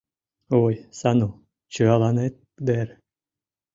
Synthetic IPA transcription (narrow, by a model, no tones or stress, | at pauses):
ojsɑnu | t͡ɕɨɑlˠɑnet̪̚ | d̪eɾ